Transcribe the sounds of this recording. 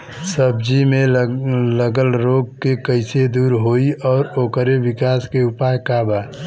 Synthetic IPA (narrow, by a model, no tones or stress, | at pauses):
səb̚d͡ʒimẽləɡəlɾoːɡ̚kekəɪsed̪uːɾɦoiʔɔːɾoːkəɾeʋɪkaːskeʊpaːjkaːba